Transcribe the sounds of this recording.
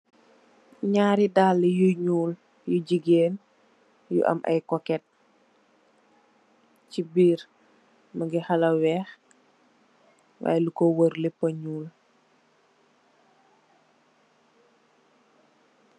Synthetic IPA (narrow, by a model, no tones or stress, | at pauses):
ɲaːɾidaːlːijuɲuːl | juɟiɡeːn | jṵʔɐ̰mʔɐ̰jkɔkɛt̚ | cibiːɾ | mɐɡixɐlɐwɛːx | wa̰ːjɛlukɔwəɾlɛpːɐɲuːl